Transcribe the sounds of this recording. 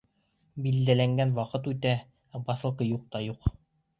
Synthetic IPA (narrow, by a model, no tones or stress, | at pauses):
bild̪ælæŋɡænwɑqɤt̪ʉt̪æ | bɑsɤ̆lˠqɤjuq̚t̪ɑjuq